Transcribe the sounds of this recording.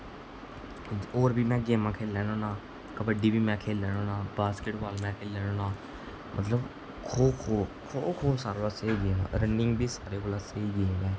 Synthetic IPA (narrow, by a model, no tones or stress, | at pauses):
oːɾbiːmɛ̃ːɡeːmãːkʰeːlːɛːnoːnãː | kəbəɖiːbiːmɛ̃ːkʰeːlːɛːnoːnãːbaːskeʈʋaːlmɛ̃ːkʰeːlɛːnoːnaː | mʔə̰t̪ləb | kʰoːbkʰoːbkʰoːbkʰoːbsaːɾːbaseiːɡeːmã̰ːɾənɪŋɡbiːsaːɾeːkoːlaːseiːɡeːmbɛ̃ː